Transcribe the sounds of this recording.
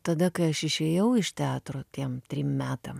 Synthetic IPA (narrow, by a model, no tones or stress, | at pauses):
t̪ɐd̪ɐkɐɪɐʃɪʃʲeːjɛʊɪʃt̪ʲæːt̪ɾoːt̪ʲiɛmt̪ʲɾʲiːmmʲæːt̪ɐm